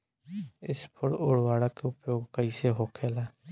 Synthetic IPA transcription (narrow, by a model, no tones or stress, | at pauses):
ɪspʰəɽoːɽʋaːɽakeʊpjoːɡkəiseɦoːkʰeːlɛː